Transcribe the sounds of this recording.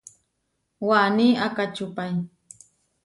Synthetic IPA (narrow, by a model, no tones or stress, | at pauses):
waːniakat͡ʃʊpaj